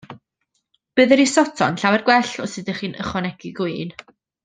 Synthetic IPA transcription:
b̥ɨːðəɾisɔtʰɔnɬawɛrɡwɛɬɔsɨdəχiːnə̰χɔnɛɡiɡun

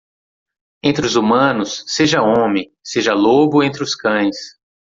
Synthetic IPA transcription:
ẽnt̪ɾɪʊzumɐ̃nʊsːeʒɐõmɪ | seʒɐlobʊẽnt̪ɾɪʊskɐ̃j̃s

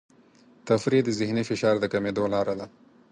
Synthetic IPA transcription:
t̪afɾid̪əzɪhnifɪʃɑɾd̪əkamed̪olɑɾad̪a

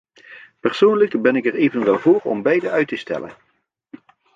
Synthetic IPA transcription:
pɛɹsownləkbɛnɪkɛɹejvənʋɛlˠvoːɹɔ̰mbɛjdəœɥtəstɛ̰lə̰n

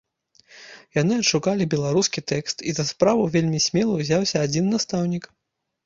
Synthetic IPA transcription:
janɨɐtʂukalʲibʲɛlˠaɾuskʲit̪ɛkst̪izɐspɾavɐvʲelʲmʲisʲmʲɛlˠɐwzʲawsʲɐːd͡zʲinːast̪awnʲik

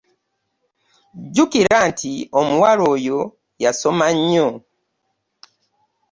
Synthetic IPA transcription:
ɟukiɾantʰiomuwaɾojo | jasɔmaɲɔ

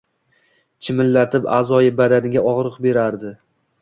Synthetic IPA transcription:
t͡ʃʰɪmɪlːat̪ʰɪpa̰zɒjɪbad̪anɪɡʲaɒʁɾɨqbe̞ɾaɾd̪ɪ

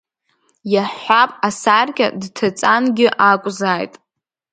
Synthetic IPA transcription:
jaħʷapʼasarkʲʼa̰dtʰat͡sʼanɡʲɪʔakʷʼzajtʼ

